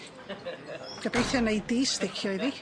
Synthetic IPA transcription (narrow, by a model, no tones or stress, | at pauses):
ɡ̥əbejθjɔnejdiːstɪkʰjɔiði